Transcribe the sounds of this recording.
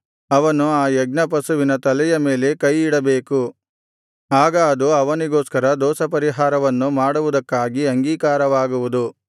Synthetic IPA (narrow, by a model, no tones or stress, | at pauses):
ɐʋɐnuaːjɛɡ̚nɐp̬ɐsuʋinɐt̪ɐlɛjɐme̞ːle̞kɐjiɽɐbeːku | aːɡɐːd̪uɐʋɐniɡoːskɐɾɐd̪ɔːsɐpɐɾiɦaːɾɐʋɐnːumaːɽuʋud̪ɐkːaːɡiɐŋɡiːkaːɾɐʋaːɡuʋud̪u